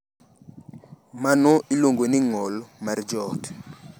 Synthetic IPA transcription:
manɔilwoŋɡoniŋɔlmard͡ʒɔt

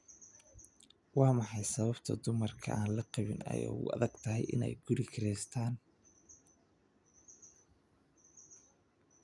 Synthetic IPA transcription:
wɑːmɑħɑjsɐβɐbt̪ʰɐ̰d̪ʊmɐrkʰɐ̰ʔaːnlɐqɑβɪnɐ̰jɔ̰ʊ̰ʔɐ̰ðɐɡ̥t̪ʰɐɦɛjʔɪnɛ̰jɡ̥ʊɾɪkʰɪɾɛjst̪ʰaːn

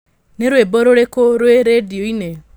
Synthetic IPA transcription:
neɾwebɔɾoɾekoɾweɾedioine

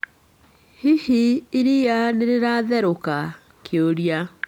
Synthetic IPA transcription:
hihiiɾijaneɾeɾaːðɛɾoka | kʰeoɾja

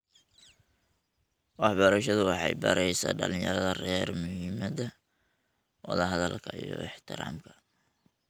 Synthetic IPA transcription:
wɑħbɐɾɐʃɐðʊwɑħɑjbɐɾɛjsa̰ːɖɐlɪ̃jɐɾɐðɐrɛrmʊhiːmɐdɐ | wɑðɐɦɐðɐlkʰɐijɔɪħt̪ʰɪɾaːmkʰɐ̥

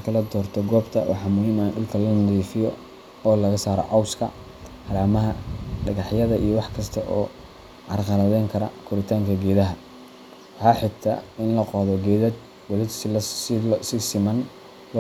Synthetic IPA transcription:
kʰɐlɐd̪ɔːrt̪ʰɔɡɔːbt̪ʰɐwʔɑ̰ħɑmʊhiːmaːnɖʊlkʰɐlɐnɐdiːfɪjɔ | ɔːlɐɣɐsaːɾɔ̰ʔɑwskʰɐ̰ | hɐɾaːmɐɦɐɖɐɣɑħjɐðɐʔḭjɔwɑħkʰɐst̪ʰɐʔɔ̰ː | ʕɑrqɑlɐðɛjŋkʰɐɾɐ̰kʰʊɾɪt̪ʰaːŋkʰɐɡɛːðɐɦɐ | wɑħɑːħɪt̪ʰɐ̰ɪnlɐqɔːðɔɡɛːðɐd̪ | wɔlɪ | sɪsɪmɐn | l

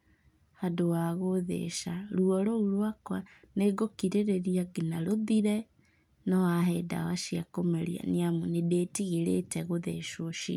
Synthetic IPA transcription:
hadowaɣoðḛʃaɾuɔɾouɾwakwa | neɡokiɾeɾeɾiaɡinaɾoðiɾɛ | nɔwaɦɛda̰waʃiakomɛɾḭa̰niamunedeːtiɣeɾetɛɣoðeʃoʃḭ

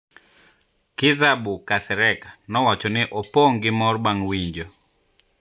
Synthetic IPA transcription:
kɪzabukasɛɾɛkanɔwat͡ʃɔnɪʔɔpoŋɡɪmɔrbaŋwiɲd͡ʒo

